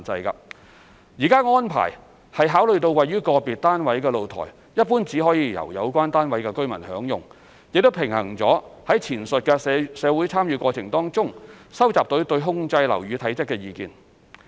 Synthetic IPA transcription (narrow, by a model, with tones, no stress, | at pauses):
t͡sɐ˧jkɐ˧ | jiː˨˩kaː˥ŋɔː˥npʰa̰ː˨˩j | hɐ˨jɦaː˨˥wlɵ˨ɥt̪o˧wɐ˨jyː˥kɔː˧piː˨t̚t̪aː˥nwɐ˨˥jkɛː˧lo˨wt̪ʰɔ̰ː˨˩j | jɐ˥t̚puː˥nt͡siː˨˥ɦɔː˨˥jiː˧jɐ̰˨˩wjɐ̰˨˧wkʷaː˥nt̪aː˥nwɐ˨˥jkɛ˧kɵ˥ɥmɐ̰˨˩nhœː˨˥ŋjʊ˨ŋ | jɪ˨k̚t̪o˥wpʰɪ˨˩ŋhɐ̰˨˩ŋt͡sɔː˨˥hɐ˨˥jt͡sʰiː˨˩nsɵ˨t̚kɛ˧sɛː˨˧wuː˨˥jt͡sʰaː˥mjyː˨˧kʷɔː˧t͡sʰɪ˨˩ŋt̪ɔː˥ŋt͡sʊ˥ŋsɐ˥wt͡saː˨p̚t̪ɵ˨˥wt̪ɵ˧ɥɦʊ˥ŋt͡sɐ˧jlɐ̰˨˩wɥyː˨˧t̪ʰɐ˨˥jt͡sɪ˥kːɛː˧jiː˨kḭː˨˧n